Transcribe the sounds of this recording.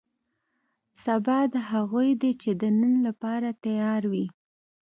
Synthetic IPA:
sabɑd̪ɦaɣujd̪et͡ʃed̪ənənlapɑɾat̪ajɑɾwi

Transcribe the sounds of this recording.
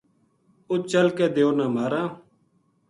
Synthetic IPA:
ʊt͡ʃəlkeːd̪eːoːnãːmaːɾãː

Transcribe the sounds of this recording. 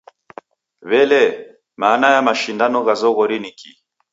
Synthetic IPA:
βɛlɛ | maːnajamaʃindanɔɣazɔɣɔɾiniki

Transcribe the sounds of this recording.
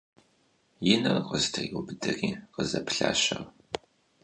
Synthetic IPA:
jɪnɐrqəztʰɐiʊbɨdɐriːqəzɐpɬaːɕɐr

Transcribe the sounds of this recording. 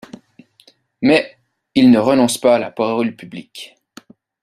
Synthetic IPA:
mɛ | ilnəʁənɔ̃spaːla̰paɔlpyblik

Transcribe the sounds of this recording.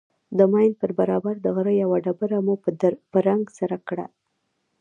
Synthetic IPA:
d̪əmɑjnd̪̚pəɾbaɾɑbaɾd̪əɣəɾəjawaɖabəɾamupəɾaŋɡsaɾakɽa̰

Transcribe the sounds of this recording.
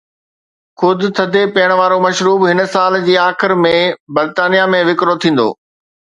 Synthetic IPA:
xʊd̪ʱʊ̆t̪ʰɐd̪ʱepɐːəɽ̃ʋaːɾomɐʃɾuːbɦɪnəsaːld͡ʑiːaːxɪɾmẽbɐɾt̪aːnijamẽʋɪkɾot̪ʰĩːn̆d̪o̰ː

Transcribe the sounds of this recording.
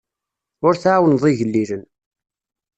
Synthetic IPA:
ʊɾθʕawənðˤiʝəlːilən

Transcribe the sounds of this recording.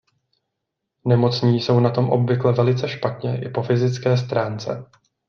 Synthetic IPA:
nɛmo̞t͡sɲiːso̞wnat̪o̞mʔo̞bvɪklɛvɛlɪt͡sɛʃpat̪ɲɛʔɪ̰po̞fɪzɪt͡skɛːs̬t̪ɾaːnt͡sɛ̰

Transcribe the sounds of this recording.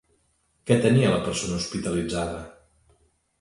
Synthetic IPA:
kɛt̪əniələpəɾsonəuspit̪əlid͡zaðə

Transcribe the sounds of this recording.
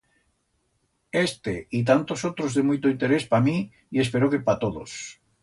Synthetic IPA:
est̪eit̪̬ant̪osowt̪ɾozðemojt̪oint̪eɾespamĩ | iespeɾokepat̪oðo̰s

